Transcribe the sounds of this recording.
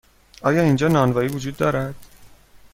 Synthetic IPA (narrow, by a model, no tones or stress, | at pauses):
ʔɒːjɒːiːnd͡ʒɒːnɒːnvɒːiːvod͡ʒuːd̪ːɒːɾæd̪̥